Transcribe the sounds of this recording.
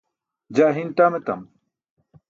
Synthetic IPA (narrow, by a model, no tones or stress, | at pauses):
d͡ʑaːɦint̪aːmet̪ɐ̰m